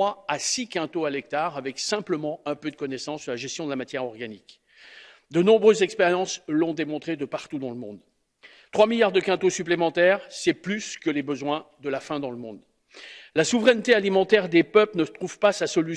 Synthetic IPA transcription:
aasikʲɛ̃t̪oalɛk̚t̪aʁavɛksɛ̃pləmɑ̃ɛ̃pød̪əkɔnɛsɑ̃sːəʁlaʒɛst̪jɔ̃d̪əlamat̪jɛʁɔʁɡanik | d̪ənɔ̃bʁøzɛkspeʁjɑ̃slɔ̃d̪emɔ̃t̪χed̪əpaʁt̪ud̪ɑ̃ləmɔ̰̃d̪ | t̪χwamiljaʁd̪əkɛ̃t̪osyplemɑ̃t̪ɛʁsɛplyskəlebəzwɛ̃d̪əlafɛ̃d̪ɑ̃ləmɔ̰̃d̪ | lasuvʁɛnt̪ealimɑ̃t̪ɛʁd̪epœplnət̪χuv̥pasasɔly

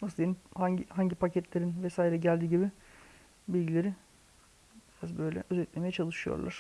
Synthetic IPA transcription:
nasɯd̪eimhaɲɟihaɲɟipʰacʰɛt̪lʲeɾinvɛsaːiɾɛɟælʲd̪iːɟibɪ | bilʲɟilʲe̞ɾi | biɾazbø̞jlʲɛ̰ʔøzɛt̪lʲemejɛt͡ʃʰalˠɯʃɯjo̰ɾlˠa̰ɾ̥

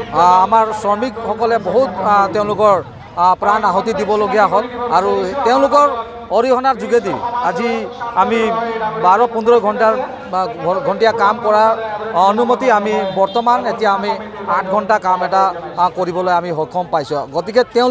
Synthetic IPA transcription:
amaɹsɔɹmikxɔkɔlɛbɔɦuttɛʊ̃lʊkɔɹ | pɹanaɦɔtidibɔloɡijaɦɔtaɹutɛʊ̃lʊkɔɹ | ɔɹiɦɔnaɹzuɡediaziamibaɹɔpɔndʱɹɔjɡʱɔntaɹ | ɡʱɔntijakamkɔɹaɔnumotiamibɔɹtɔmanetijaːmiatʰɡʱɔntakamɛtakoɹibɔlojamiɦɔjkʰɔmpajsɔɡɔtikɛtɛʊ̃

